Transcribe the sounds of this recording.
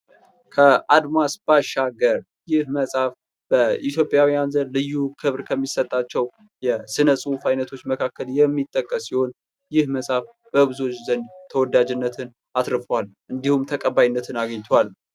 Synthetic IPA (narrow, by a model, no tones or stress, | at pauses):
kʰəʔad̪masb̥aʃaɡəɾ | jɪhməsʼaf | b̥əit̪jo̞pʼjawijanzənlɨjːukʰɨβɾkʰəmːisət̪ʼːat͡ʃːɛw | jɛsɨnəsʼɨufajnət̪ʰo̞t͡ʃːməkʰakːəljɛmːit̪ʼːəkʼːəsːiho̞n | jɪhməsʼaf | b̥əβɨzo̞t͡ʃːzənd̪t̪ʰəwɔd̪ad͡ʒɨnːət̪ʰɨn | at̪ɾɨfəwalʔɨnd̪ihumt̪ʰəkʼəbːajnːət̪ʰɨnaɡəɲt̪ʰowal